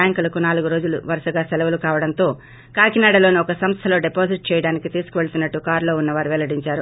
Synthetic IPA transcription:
jɐŋkulɐkunaːluɡuɾo̞ːd͡ʒuluʋɐɾɐʂɐɡaːsɛlɐʋɐlukaːʋɐɽɐnt̪o̞ː | kaːkinaːɽɐloːniɔkɐsɐmst̪ʰɐlo̞ːɖepoːsiʈ̚t͡ʃɛːjɐɽaːnikit̪iːsu̥kuʋe̞ɭɐt̪unːɐʈːukaːɾlo̞ːunːɐʋaːɾuʋɛlɐɽiɲt͡ʃaːɾu

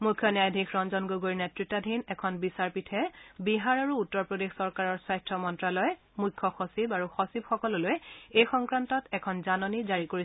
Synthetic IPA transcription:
mukʰːjɔnjajdʱikʰɹɔnzɔnɡoɡoɹinetɹitːadʱinɛkʰɔnbisaɹpitʰɛbiɦaɹaɹuːtːɔɹpodexsɔɹkaɹɔɹsajstɹɔmɔntɹalɔj | mujkʰjɔxɔsibaɹuxɔsibxɔkɔlɔlojejxɔŋkɹantɔtɛkʰɔnzanɔnizaɹikoɹis

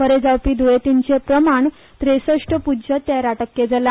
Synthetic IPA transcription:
fəɾed͡zawpiːd̪uet̪int͡ɕepɾəmaɳ | t̪ɾesəʂʈəpud͡ʑət̪eɾaʈəkːed͡zəla

